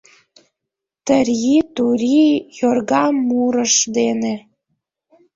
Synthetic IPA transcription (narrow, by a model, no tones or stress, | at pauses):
t̪əɾʲjit̪uɾʲijorɣɑmːuɾəʃd̪ene